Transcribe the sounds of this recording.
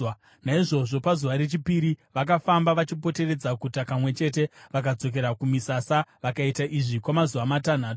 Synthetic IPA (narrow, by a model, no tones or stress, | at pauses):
naiʐo̞ʐo̞pazuʋaɾe̞t͡ʃipiɾiʋakafambaʋat͡ʃipo̞te̞re̞d͡zakutakamwe̞t͡ʃe̞t̬e̞ʋak̬ad͡zo̞k̬e̞ɾakumisasaʋakaitaʔiʐikwamazuʋamatan̤aːto